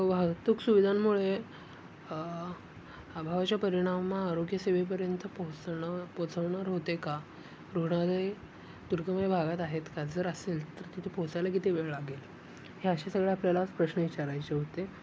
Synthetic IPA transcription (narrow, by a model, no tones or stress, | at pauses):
ʋaɦəɡt̪uːksuʋid̪ʱamːuɭe | abʱaʋat͡ɕjapəɾiɽ̃amːaːɾoɡjəseʋep̬əɾjənt̪əpot͡spot͡səʋɳaɾɦot̪eka | ɾuɡɽ̃alej | d̪̥uɾkəmabʱaɡat̪aɦet̪kad͡zəɾəselt̪əɾt̪it̪ʰepɔt͡sajlakit̪ʰeʋeɭlaɡel | heəɕesəɡɭeapljalapɾəɕnəʋit͡ɕaɾajt͡seɦot̪e